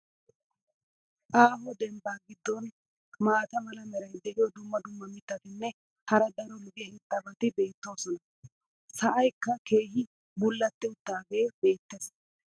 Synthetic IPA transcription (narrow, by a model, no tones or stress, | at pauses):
ʔaːɦɔd̪ɛmbaːɡɪd̪ːɔn | maːt̪ɐmɐlɐmɛɾɐjd̪ɛʔɪjɔd̪ʊmːɐd̪ʊmːɐmɪt̪ːɐt̪ɪnːɛ | hɐɾɐd̪ɐɾɔlʊɡɪjɐhɪt̪ʼːɐbɐt̪ɪbe̞ːt̪ːo̞ːsɔnɐ | sɐʔɐjkːɐke̞ːɦɪ | bʊlːɐt̪ːɛʊt̪ːaːɡe̞ːbe̞ːt̪ːes